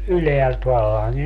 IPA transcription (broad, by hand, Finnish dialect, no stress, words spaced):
yleælt ʋɑlːɑŋkin